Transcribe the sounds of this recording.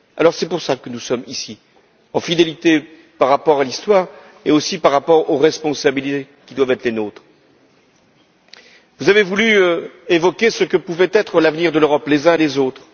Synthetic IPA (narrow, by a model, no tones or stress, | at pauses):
a̰lɔʁsɛpuʁsakənusɔmisi | ɑ̃fid̪elit̪e | paʁːapɔʁalist̪waːʁ | eosipaʁːapɔʁoʁɛspɔ̃sabilit̪e | kʲid̪wavɛt̪χlenot̪χ | vuzavevulyevɔkʲesəkəpuvɛt̪ɛt̪χəlavniʁd̪əløʁɔplezɛ̃elezot̪χ